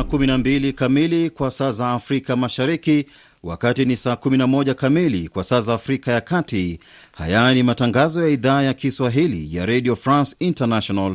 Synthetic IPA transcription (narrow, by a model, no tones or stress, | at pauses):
kuminambilikamilikwasaːzaːfɾikamaʃaɾiki | wa̰katinisaːkuminamɔʄakamilḭkwasaːzaːfɾikajakati | ha̰janimataŋɡazɔjaiðaːjakiswaɦilḭja̰ɾɛɗiɔfɾãnsintanaʃɔnal